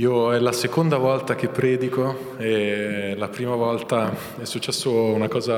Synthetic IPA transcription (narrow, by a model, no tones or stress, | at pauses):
iːoɛlasekond̪avɔlt̪ak̟epːɾɛːd̪iko | elapɾiːmavɔlt̪a | ɛsːut͡ʃːɛsːounakɔːza